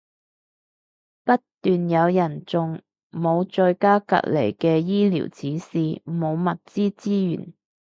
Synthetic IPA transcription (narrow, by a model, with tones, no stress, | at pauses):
pɐ˥tt̪yː˨njɐ˨˧wjɐ˨˩nt͡sʊ˨ŋ | mo˨˧wt͡ʃɵ˧ɥkaː˥kɐ̰˨t̚le˨˩jkɛː˧jiː˥lḭː˨˩wt͡sʰiː˨˥siː˨mo˨˧wmɐ˨t̚t͡siː˥t͡siː˥jy̰ː˨˩n